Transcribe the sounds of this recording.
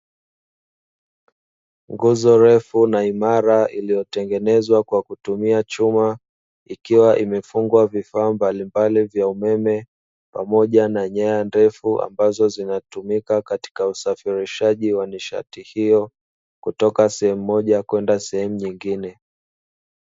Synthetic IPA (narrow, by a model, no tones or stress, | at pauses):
ŋɡuzɔɾɛfunaimaɾailijɔtɛŋɡɛnɛzwakwakutumiat͡ʃuma | ikiwaʔimɛfuŋɡwavifaːmbalimbalivjaumɛmɛ | pamɔʄanaɲajandɛfuʔa̰mbazɔzinatumikakati̥kausafiɾiʃaʄiwaniʃa̰tihijɔ | kutɔkasɛhɛm̩uːɔʄakwɛndasɛhɛmuɲiŋɡinɛ